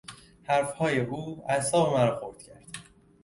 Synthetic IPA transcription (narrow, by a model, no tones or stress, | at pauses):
hæɾfhɒːje̞ʔuːæsɒːbemæɾɒːxoɾd̪̥cʰæɾd̪̥